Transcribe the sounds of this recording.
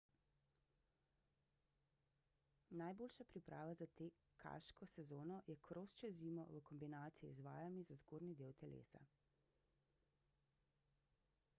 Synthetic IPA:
najboːlʃapɾipɾaːʋazat̪eː | kʰa̰ʃkɔsɛzoːnɔjɛkʰɾost͡ʃɛziːmɔ̰ʋəkɔmbinaːt̪siḭzʋa̰ːjamizazɡoːɾnid̪eːwt̪ɛlḛːsa̰

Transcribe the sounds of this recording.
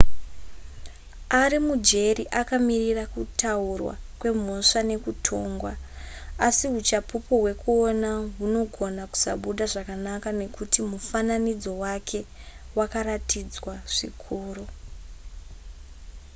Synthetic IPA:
aɾimud͡ʒe̞riʔakamirirakutʰaurwa̰kwe̞m̤o̞ʂane̞kutʰo̞ːŋɡwaː | siɦut͡ʃapupoɦwe̞kuonaɦuno̞ɡʱo̞naku̥sa̰ɓuɗaʐakanakane̞kutimufananid͡zo̞wakʰe̞ | wakaratid͡zwaʐ̥ḭkʰuːro

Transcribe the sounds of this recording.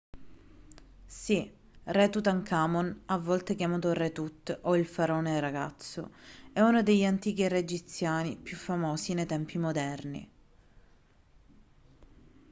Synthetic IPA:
si | rɛt̪ut̪aŋkʰamonavːɔlt̪ekjamaːt̪oret̪ut̪ːoilfaɾoːneraɡa̰t̪sːo̰ɛunod̪eʎːant̪iːk̟ired͡ʒit̪sːjaːnipjufːamoːsinejt̪ɛmpimod̪ɛrnḭ

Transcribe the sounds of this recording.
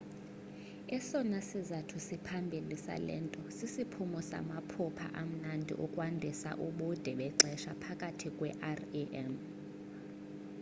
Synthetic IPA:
ɛsɔnasizatʰusipʰambʱilisa̰lɛ̰ːntʼɔsisipʰumɔsa̰mapʰupʰa̰ʔam̩nandʱḭʔukʼwandʱisa̰ʔuɓud̥ʱɛɓɛǀɛʃapʰakʼatʰikʼwɛʔarʔɛm

